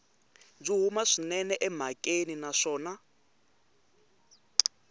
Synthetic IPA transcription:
b͡ʐiɦumaʂinɛnɛʔɛm̤akʼeninaʂɔːna

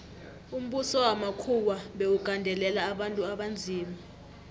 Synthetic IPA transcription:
um̩ɓusɔwamakʰuwaɓeukandʱɛlɛlaːɓantʼuaɓand͡zʱiːma

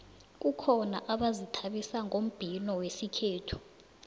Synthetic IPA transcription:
k̬ukʰɔna̰ʔaɓazitʰaɓisaŋom̩b̥ʱinɔwesikʰeːtʰu̥

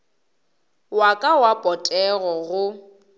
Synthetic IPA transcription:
wakʼawapʼɔtʼɛɣɔɣʊ

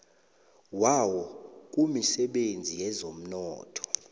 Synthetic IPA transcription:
wawɔk̬ʼumisɛɓend͡zʱijɛzom̩nɔːtʰɔ̥

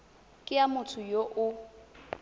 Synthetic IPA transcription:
kʼɪjamʊtʰʊjoʔʊ

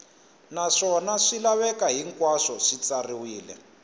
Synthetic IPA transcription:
naʂɔnaʂilaβɛkaɦiŋkwaʂɔʂit͡sariwiːlɛ̰

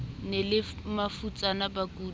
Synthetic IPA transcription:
nelɪmafut͡sʼanabakuː

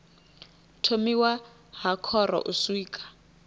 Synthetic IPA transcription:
tʰomiwa | ɦakʰɔrɔ̰ʔuswiːkʼḁ

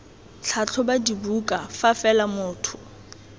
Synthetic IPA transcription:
t͡ɬʰat͡ɬʰʊbadibukʼafafɛlamʊːtʰʊ̥

